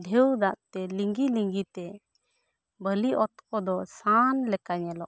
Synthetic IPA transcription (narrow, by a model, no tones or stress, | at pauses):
d̪ʱewd̪aʔt̪ɛliŋɡiliŋɡit̪ɛ | bəliʔɔt̪̚kɔd̪ɔsanlɛkaɲɛlɔʔ